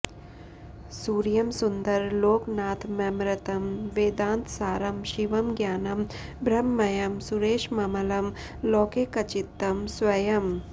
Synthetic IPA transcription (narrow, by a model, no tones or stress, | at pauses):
suːɾjɐmsund̪ɐɾloːknaːt̪ʰmɐmɾɐt̪ɐmʋeːd̪ãːnt̪saːɾɐmʃiʋɐmɡjaːnɐm | bɾɐmːɐjɐmsuɾeːʃmɐmɐlɐm | loːkekɐt͡ʃit̪ːɐmsʋɐjɐm